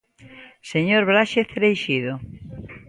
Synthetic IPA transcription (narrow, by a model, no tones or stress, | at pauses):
seɲoɾβɾaʃeθɾejʃiðo